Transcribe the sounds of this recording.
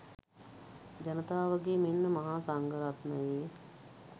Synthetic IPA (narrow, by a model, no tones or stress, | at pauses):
d͡ʒɐnət̪aːʋəɡeːmenːəmɐɦaːsaŋɡəɾat̪məjeː